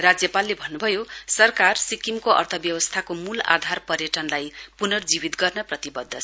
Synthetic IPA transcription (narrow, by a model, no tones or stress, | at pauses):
rad͡zjʌpalːebʱʌnːubʱʌjosʌrkarsikimkoʔʌ̰rt̪ʰʌbjʌwʌst̪ʰakomula̰d̪ʱarpʌrjʌʈʌnlajpunʌrd͡zibit̪ɡʌrnʌprʌt̪ibʌd̪ʱːʌt͡sʰ